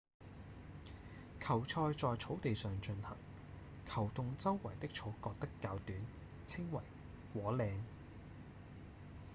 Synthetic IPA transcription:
kʰɐ˨˩wt͡sʰɔː˧jt͡sɔː˨jt͡sʰo˨˥wt̪e˨jsœː˨ŋt͡ʃɵ˧nhɐ̰˨˩ŋ | kʰɐ˨˩wt̪ʊ˨ŋt͡sɐ˥wːɐ˨˩jt̪ɪ˥k̚t͡ʃt͡sʰo˨˥wkɔː˧k̚t̪ɐ˥kːaː˧wt̪yː˨˥n | t͡sʰɪ˥ŋwɐ̰˨˩j | kʷɔː˨˥lɛː˧ŋ

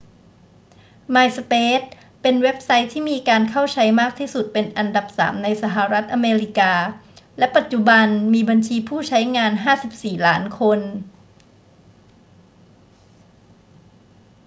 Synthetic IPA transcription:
maː˧jsa˧peː˦˥t̪̚ | pe˧nwe˦˥p̚sa˦˥jt̪ʰːiː˥˩miː˧kaː˧nkʰa˥˩wt͡ɕʰa˦˥jmaː˥˩k̚t̪ʰiː˥˩su˨˩t̪̚pe˧nʔa˧nda˨˩p̚sa̰ː˩˦mna˧jsa˧˩ɦa˨˩ɾa˦˥t̪̚ʔa˧meː˧ɾi˦˩kaː˧lɛ˦˥pa˨˩t̪̚t͡ɕu˨˩ba˧nmiː˧ba˧nt͡ɕʰiː˧pʰuː˥˩t͡ɕʰa˦˥jŋaː˧nɦaː˥˩si˨˩p̚siː˨˩laː˦˥nkʰo˧n

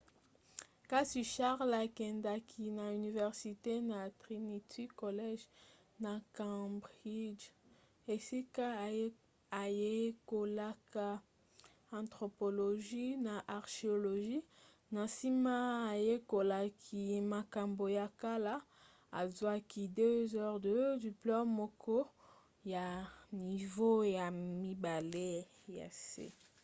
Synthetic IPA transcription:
ka˦si˨ʃa˦ʁla˨kɛ˨nda˨kʰi˨na˨y˨ni˨vɛ˨ʁsi˨te˦na˨tʁi˨ni˨tʰi˦ko˨lɛ˦ʒ | na˨kã˦bʁi˦d͡ʒ | e˨si˦ka˦ | a˨je˦ko˨la˦ka˨ | ã˨tʁo˨po˨lo˨ʒi˦na˨ʔa˨ʁʃe˨o˨lo˨ʒi˦ | na˨si˦maː˦˨je˦ko˨la˨kʰi˨ma˨ka˨mbo˨ja˨ka˦la˦ | a˨zwa˦ki˨dø˦zɔ˦ʁdə˨dy˨plɔ˦ʁmɔ˦kɔ˦ | ja˨ni˨vo˦ja˨mi˦ba˨le˦ | ja̰˨sḛ˦

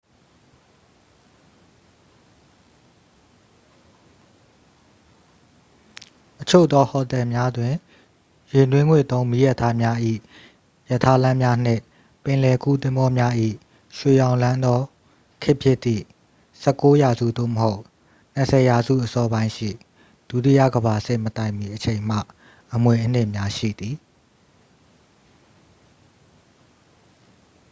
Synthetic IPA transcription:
ʔət͡ɕʰo˦˨ʔt̪ːɔ˦hɔ˨t̪ɛ˨mja˦dwɪ̃˨ | jɪ˨dwɪ̃˦ŋwe˦˨t̪õ˦ʊ̃mi˦jɛ˦˨tʰa˦mja˦ʔḭ˦˨ | jə˨tʰa˦lã˦mja˦n̥ɪ̰̃˦˨ | pɪ̃˨lɛ˨ku˦˨t̪ɪ̃˦mbɔ˦mja˦ʔḭ˦˨ | ʃwe˨jã˨ʊ̃lã˦nd̪ɔ˦ | kʰɪ˦ʔpʰjɪ˦ʔt̪ːḭ˦˨ | sʰɛ˦kːo˦ja˨zṵ˦˨d̪o̰˦˨məɦo˦ʊʔ | n̥ə˨sʰɛ˨ja˨zṵ˦˨ʔəsɔ˦bã˦ɪ̃ʃḭ˦˨ | d̥u˦˨ti˦˨ja̰˦˨ɡəba˨sɪ̰˦˨mət̪ã˨ɪ̃mi˨ʔət͡ɕʰẽ˨ɪ̃m̥a̰˦˨ | ʔəmwe˨ʔən̥ɪ̃˦˨mja˦ʃḭ˦˨d̪i˨

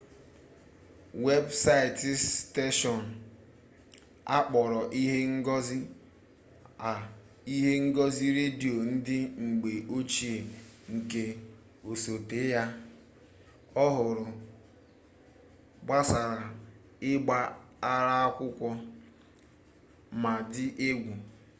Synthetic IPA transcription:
we˦bsa˦ɪ˨tte˦ʃɔ˨n̩˨ | a˦k͡pɔ˨ɾɔ˨ʔi˦ɦe˦ŋ̩˦ɡɔ˦zi˦ | a˨ | i˦ɦe˦ŋ̩˦ɡɔ˦zi˦ɾe˦di˨o˨n̩˦dɪ˦ŋ͡m̩˨ɡ͡be˨ʔo˦t͡ʃi˦e˨ŋ̩˨ke˦ | o˨so˨te˨˦ja˦ | ɔ˦ɦʊ˨ɾʊ˨ | ɡ͡ba˦sa˨ɾa˨ | ɪ˦ɡ͡ba˦a˦ɾa˦a˦kʷʊ˦kʷɔ˦ | ma˨dɪ˦ʔe˦ɡʷu˨

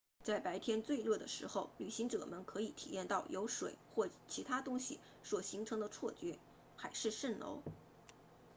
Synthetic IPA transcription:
t͡sa˥˩ɪpa˧˥ɪt̪ʰjɛ˥nt͡swe˥˧ɪlɤ˥˩d̪ə̰˩ʂɻ̩˧˥xo˥˧ʊly˨˩ɕi˧˥ŋʈ͡ʂɤ̰˨˩mə˧˦nkʰɤ˧˥i˨˩t̪ʰi˨˩jɛ˥˧nt̪ɑ˥˩ʊjʔo˧˥ʊʂwḛ˨˩˦ɪxwɔ˥˩t͡ɕʰi˧˥t̪ʰa˥t̪ʊ˥ŋɕi˨˩ | swɔ˨˩ɕi˧˥ŋʈ͡ʂʰɤ˧˥ŋd̪ə˧t͡sʰwɔ˥˩t͡ɕɥɛ˥ | xa˧˥ɪʂɻ̩˥˧ʂə˥˩nlo̰˧˥ʊ

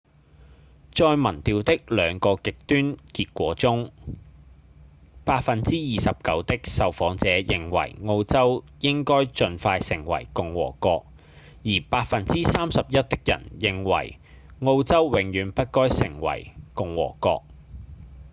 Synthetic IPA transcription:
t͡ʃɔː˧jmɐ˨˩nt̪iː˨˧wt̪ɪ˥k̚lœː˨˧ŋkɔː˧kɪ˨k̚t̪yː˥nkiː˧t̚kʷɔː˨˥t͡sʊ˥ŋ | paː˧t̚fɐ˨nt͡siː˥jiː˨sɐ˨p̚kɐ˨˥wt̪ɪ˥k̚sɐ˨wfɔː˨˥ŋt͡sɛː˨˦jɪ˨ŋwɐ̰˨˩jŋo˧wt͡sɐ˥w | jɪ˥ŋkɔː˥jt͡ʃɵ˧nfaː˧jsɪ̰˨˩ŋwɐ̰˨˩jkʊ˨ŋwɔ̰ː˨˩kɔː˧k̚ | jiː˨˩paː˧t̚fɐ˨nt͡siː˥saː˥msɐ˨p̚jɐ˥t̚t̪ɪ˥k̚jɐ̰˨˩njɪ˨ŋwɐ̰˨˩j | ŋo˧wt͡sɐ˥wwɪ˨˧ŋjyː˨˧npɐ˥t̚kɔː˥jsɪ˨˩ŋwɐ̰˨˩jkʊ˨ŋwɔ̰ː˨˩kɔː˧k̚

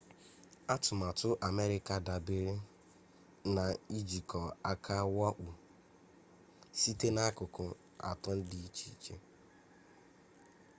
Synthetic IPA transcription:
a˦tʊ˨ma˨tʊ˦ʔa˨me˦ɾɪ˦ka˨da˨be˦ɾɪ˦ | na˨i˦d͡ʒi˨kɔ˨a˦kʰa˦wa˦ʔu˨ | si˦te˦na˦kʊ˨kʊ˨ | a̰˨tʊ˦n̩˦di˨i˦t͡ʃi˨˦˨t͡ʃe˦

